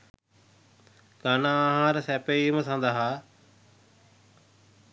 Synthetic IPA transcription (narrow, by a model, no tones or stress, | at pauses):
kaːnãːɦãːɾsɛːpeiməsãːnd̪aːɦaː